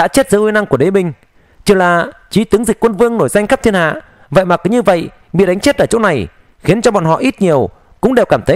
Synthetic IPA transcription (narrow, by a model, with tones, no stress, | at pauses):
ɗa̰ː˧˥t͡ɕe˦˥t̚zə̰ː˧˦hwi˧na˧ŋku˧˩ə˨e˨˦ɓï˨˩ŋ̟ | t͡ɕɨ˧˩laː˨˩ | t͡ɕi˨˦t̪ɨ˨˦əŋzï˨˩k̟kwə˧nvɨ˧əŋno˧˩jza˧jŋ̟xa˦˥p̚t̪i˧ənha̰ː˧˨ | və̰˧˨jma˨˩kɲɨ˧və̰˧˨j | ɓḭ˧˨ɗa˨˦jŋ̟t͡ɕe˦˥t̚ʔəː˧˩t͡ɕo̰˧˥na˨˩j | xi˨˦ənt͡ɕɔ˧ɓɔ̰˧˨nhɔ̰˧˨ʔi˦˥t̚ɲi˨˩əw | kʊ̰˧˥ŋ͡mɗe˨˩wkaː˧˩mt̪ʰə˨˦